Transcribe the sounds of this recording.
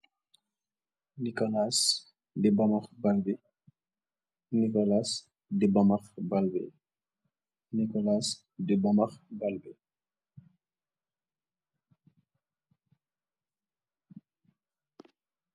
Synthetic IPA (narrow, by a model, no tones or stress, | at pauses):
nikɔlas | dibɐmɐxbalbi | nikɔlas | dibɐmɐxbalbɛ̰ | nikɔlas | dibamɐxbalbɛ